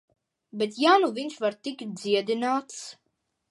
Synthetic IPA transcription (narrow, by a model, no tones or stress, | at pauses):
bet̪̬jaːnuvinʃvaɾt̪ikd̪zʲiɛd̪inaːt̪s